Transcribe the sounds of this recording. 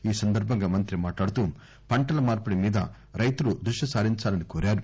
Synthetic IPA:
iːsɐnd̪ɐɾbʱɐŋɡaːmɐnt̪ɾimaːʈlaːɽut̪uː | pɐɳʈɐlɐmaːɾpuɽimiːd̪ɐ̰ | ɾɐjt̪ulud̪ɾuʂjɐsaːɾiɲt͡ʃaːlɐnikoːɾaːɾu

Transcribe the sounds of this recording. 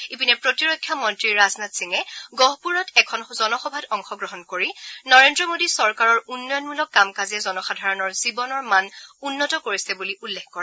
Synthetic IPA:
ipinɛpɹotiɹojkʰːjamɔntɹiɹːaznatsiŋɛɡɔɦpuɹɔtɛkʰɔnzɔnɔxɔbʱadɔŋxɔɡɹɔɦɔnkoɹinɔɹendɹɔmodisɔɹkaɹɔɹunːɔjɔnmulɔkːamkazɛzɔnɔxadʱaɹɔnɔɹzibɔnɔɹmanunːɔtɔkoɹisɛbuliʔulːɛkkɔɹɛ

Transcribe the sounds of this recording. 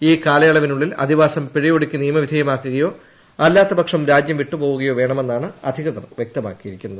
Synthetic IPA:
iːkaːlɐjɐɭɐʋinuɭːilɐ̰d̪ʱiʋaːsɐmpiɻijoɽukʲːɨnijɐmɐʋid̪ʱɐjɐmaːkːuɣɐjo̞ː | ɐlːaːt̪ːɐbɐkʂɐmɾaːd͡ʑjɐmʋiʈːɨpo̞ːɣuɣɐjoːʋe̞ːɳɐme̞nːaːɳɨɐd̪ʱiɣɐðɐrʋjek̚t̪ɐma̰ːkːijiɾikʲːunːɐðɨ

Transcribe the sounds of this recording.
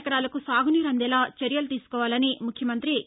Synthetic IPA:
kɐɽaːlɐkusaːɡuniːɾɐnd̪ɛlaːt͡ʃɐɾjɐlut̪iːsu̥kɔːʋaːlɐnimukʰjɐmɐnt̪ɾi

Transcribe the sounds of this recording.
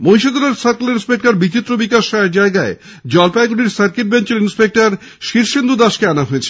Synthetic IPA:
mojʃod̪onaɾsaɾklinspek̚ʈaɾbit͡ɕit̪ːɾobikaʃaeɾd͡ʑaeɡae | d͡ʑɔlpaeɡuɽiɾsaɾkeʈ̚bent͡ɕeɾinspek̚ʈaɾ | ʃiɾʃend̪ud̪aʃkeanaɦoet͡ɕʰe̥

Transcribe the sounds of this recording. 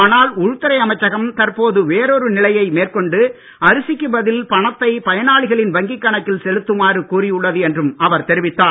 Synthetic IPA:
aːnaːlʊɻɯt̪ːɐɾɐɪɐmɐɪt͡ʃːɐɣɐmt̪ɐɾpoːðɯʋeːɾoɾɯnɪlɐjɐɪmeːrkɔɳɖɯ | ɐɾɯsɪkːɯʋɐðɪlpɐɳɐt̪ːɐɪpɐjɐnaːɭɪɣɐɭɪnʋɐŋɡɪkːɐɳɐt̪ːɪlsɛɻɯt̪ːɯmaːrɯkuːrɪjʊɭːɐðɯɛndrɯmɐʋɐɾt̪ɛɾɪʋɪt̪ːaː

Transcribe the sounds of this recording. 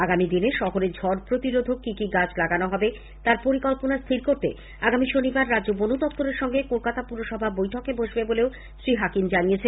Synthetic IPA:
aɡamid̪ineʃɔɦoɾed͡ʑʱɔɾpɾot̪iɾod̪ʱokikiɡad͡ʑlaɡanoɦɔbe | t̪aɾpoɾikɔlponast̪ʰiɾkoɾt̪ḛ | aɡamiʃonibaɾːadd͡ʑobonud̪ɔp̚t̪oɾeɾʃɔŋɡekolkat̪apuɾoʃɔbʱabojʈʰokeboʃbeboleo | ʃɾiɦakimd͡ʑanijet͡ɕʰe

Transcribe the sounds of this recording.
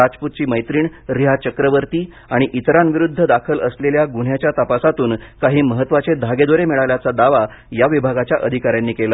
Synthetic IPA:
ad͡zput̪̚t͡ɕiːməjt̪ɾiːɳɾiɦat͡ɕəkɾəʋəɾt̪iː | aɽ̃iʔit̪ɾanʋiɾud̪ʱːəd̪akʰələsleljaɡuɳ̤jat͡ɕjat̪əpasat̪uːnkaɦiːməɦət̪ːʋat͡sed̪ʱaɡed̪oɾemiɭaʋljat͡sad̪aʋa | jaʋibʱaɡat͡ɕjaʔəd̪ʱikaɾjanːiːkela

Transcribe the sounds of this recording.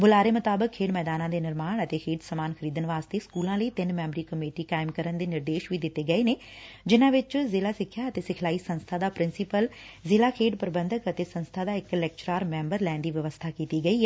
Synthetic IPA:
bʊlaːɾeːmʊt̪aːbəkʰːeːɖmɛːd̪aːnãːd̪eːnɪɾmaːɳət̪eːkʰeːɖsəmaːnxʰəɾiːd̪ənʋaːst̪eːskuːlãːləiːt̪ɪnmɛ̃ːmbəɾiːkəmeːʈiːkaːɪmkəɾənd̪eːnɪɾd̪eːʃʋiːd̪ɪt̪ːeːɡəeːneː | d͡ʒɪnãːʋɪt͡ʃzɪlaːsɪkʰːjaːət̪eːsɪkʰlaːiːsə̃nst̪ʰaːd̪aːpɾɪnsɪpəlzɪlaːkʰeːɖpəɾəbə̃nd̪əkət̪eːsə̃nst̪ʰaːd̪aːɪklɛːk̚t͡ʃɾaːɾmɛ̃ːmbəɾlɛːnd̪iːʋɪʋəst̪ʰaːkiːt̪iːɡəiːɦɛ

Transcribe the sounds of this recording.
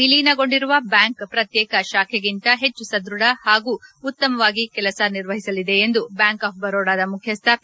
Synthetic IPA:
iliːnɐɡo̞ɳɖiɾuʋɐbjaːŋkpɾɐt̪jɛːkɐʃaːkʰeɡint̪ɐɦe̞t͡ʃːusɐd̪ɾuɽɐhaːɡuːut̪ːɐmɐʋaːɡikɛlɐsɐniɾʋɐɦisɐlid̪e̞end̪ubjaːŋkaːp̚bɐɾoːɽaːd̪ɐmukʰjɐst̪ʰap

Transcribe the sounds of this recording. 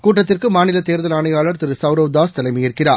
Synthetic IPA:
kuːʈːɐt̪ːɪrkɯmaːnɪlɐt̪eːɾðɐlaːnɐjaːɭɐɾt̪ɪɾɯsɐʋɾɐʋd̪aːst̪ɐlɐɪmɐjɪɾkɪɾaː

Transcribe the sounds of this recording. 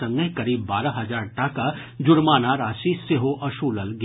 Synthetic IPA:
ɐ̃ŋɡəkɐɾiːbːaːɾaɦɐzaːɾʈaːka | d͡ʒʊɾmaːnaɾaːʃiseɦoʔɐʃuːləlɡ

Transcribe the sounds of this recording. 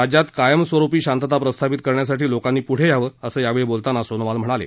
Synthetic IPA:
ad͡ʑat̪kajəmsʋəɾupiːɕant̪ət̪apɾəst̪ʰapit̪kəɾɳjas̬aʈiːlokanːiːpuɽ̤ejaʋəəsəːjaʋeɭebolt̪anasonəʋalm̤əɽ̃alḛ

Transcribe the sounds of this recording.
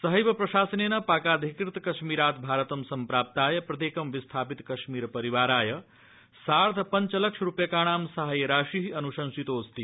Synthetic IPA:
sɐɦijbpɾɐʃaːsənenɐpaːkad̪ʱikɾit̪kɐʃmiɾaːt̪bʱaːɾət̪ɐmsɐmpɾaːp̚t̪aːjɐpɾɐt̪eːkɐmʋist̪ʰaːpit̪kɐʃmiːɾpɐɾiʋaːɾaːjɐ | saːɾt̪ʰpɐnt͡ʃlɐk̚ʂʰɾupjɐkaːɽ̃aːmsaɦajɾaːʃiɦiɐnuʃɐnsit̪oːst̪i

